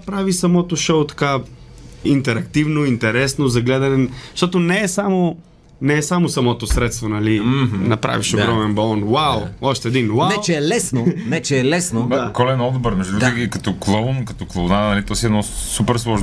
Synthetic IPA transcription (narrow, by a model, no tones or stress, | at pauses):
pɾavisɐmɔt̪oʃowt̪ɐ̥ka | int̪ɛɾɐkt̪ivnoint̪ɛɾɛsnozɐɡlɛd̪ɐnɛʃt̪ɔt̪onɛːsamo | nɛːsamosɐmɔt̪osɾɛt̪st̪vonɐlinɐpɾa̰viʃoɡɾɾɔmɛnbɐlˠɔnwawɔʃt̪ɛːd̪inwavɛt͡ʃɛɛlɛsnonɛt͡ʃɛɛlɛsnod̪akɔlɛnɔd̪bɛɾmɛʒd̪ud̪ɾɡiɡikɐt̪ɔklˠonkɐt̪ɔklˠownanɐlit̪ɔsiɛdnɔsupɛɾslˠɔʒn